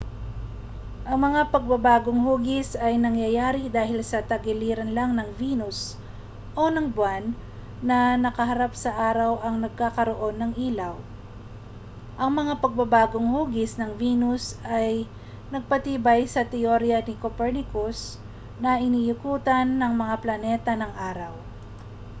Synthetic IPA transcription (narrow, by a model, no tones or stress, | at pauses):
ʔɐŋmɐŋapɐɡ̚bɐbaːɡoŋhuːɡɪsɐjnɐŋjɐjaːɾɪd̪aːhɪlsɐt̪ɐɡɪliːɾɐnlaŋnɐŋviːnʊs | ʔo̞nɐŋbwanː | ɐnɐkɐɦɐɾapsɐʔaːɾɐwɐŋnɐɡ̚kakɐɾoʔo̞nːɐŋʔiːlɐw | ʔɐŋmɐŋapɐɡ̚bɐbaːɡo̞ŋhuːɡɪsnɐŋviːnʊsʔaj | nɐɡ̚pɐt̪iːbajsɐt̪ɛoɾjɐnɪkopɛɹnɪkos | nɐʔɪnijʊkuːt̪ɐnːɐŋmɐŋaplɐnɛt̪ɐnɐŋʔaːɾɐw